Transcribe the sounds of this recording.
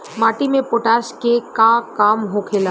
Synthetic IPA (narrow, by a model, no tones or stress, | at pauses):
maːʈimẽpoːʈaːʃkekakaːmɦokʰeːla